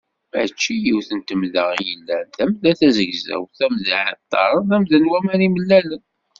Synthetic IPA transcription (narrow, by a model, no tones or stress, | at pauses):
mæ̰t͡ʃːijiwθənt̪əmðəʁijəlːænðæmðæθæzəɡzæ̰wθæmðəʕə̰t̪ˤːɑ̰ɾˤənðæmðænwæmæniməlːælən